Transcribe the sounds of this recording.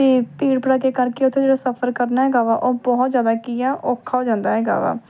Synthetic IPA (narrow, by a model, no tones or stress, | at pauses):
eːpiːɽpəɽaːkekəɾkeːʊt̪ʰːẽd͡ʒeːɽaːsəpʰəɾkəɾnaːɦɛːɡaːʋaːʔoːbɔːt̪zjaːd̪aːkiaːʔoːkʰːaːoːd͡ʒãːnd̪aːɦɛːɡa̰ːʋa̰ː